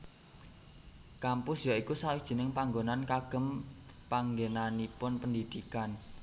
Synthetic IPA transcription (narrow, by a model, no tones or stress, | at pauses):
kampʊsjaikusawɪkd̥ʒ̥ə̤nɪŋpaŋɡonankaɡ̥ə̤m | paŋɡenanipʊnpəndid̪̥ikan